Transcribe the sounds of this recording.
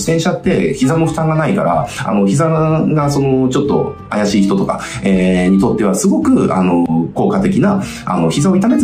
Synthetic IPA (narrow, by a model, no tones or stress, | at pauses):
ɕt̪ẽ̞ɰ̃ɕat̪ːe̞çizamo̞ɸɯ̟̥t̪ãŋɡanaika̰ɾa̰a̰no̞çizaɡaso̞no̞t͡ɕo̞t̪ːo̞̰ | ajaɕiːçi̥t̪o̞t̪o̞ka | eːɲ̟it̪o̞t̪ːe̞β̞asɨɡo̞kɯ̟a̰no̞ko̞ːkat̪e̞kʲina | a̰no̞çizao̞it̪ame